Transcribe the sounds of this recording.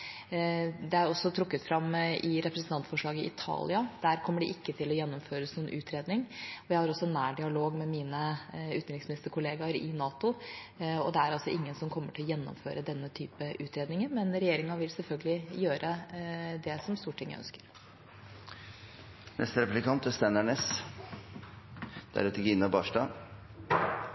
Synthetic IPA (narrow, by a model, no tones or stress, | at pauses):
d̪ɛæɾɔsːɔt̪ʰɾʊkːət̪fɾɑmːʔɪɾɛpɾəsn̩ɑnt̪fɔʂɭɑːɡəɪʔɪt̪ʰɑ̰ːlɪɑd̪̥æːɾkʰɔmːəɖɪʔɪkːət̪ʰɪlɔjɛnːɔmføːɾəsnuːnʔʉːt̪ʰɾeːd̪nɪŋɔjæɪhɑɾɔsːɔnæːɖɪɑloːɡmɛmiːnəʉːt̪ɾɪŋsmɪnɪst̪əɾkʰʊleːɡɑɾɪnɑːt̪ʊ | ɔd̪ɛæɾɑlsɔɪŋːənsɔmkʰɔmːəʈʰɪlɔjɛnːɔ̰mfø̰ːɾəd̪ɛnːət̪ʰyːpəʔʉːt̪ɾeːd̪nɪŋənmɛnɾɛjeːɾɪŋɑʋɪlsɛlfœlɡəlɪjøːɾʔəd̪ɛsɔmst̪uːʈʰɪŋːə̰œ̰nskə̥ɾ | nɛ̰st̪əɾɛpʉlɪkʰɑnt̪əst̪ænæɳeːs | d̪̥æ̰ɾɛt̪əɾɡɪnːɑbɑːʂʈɑː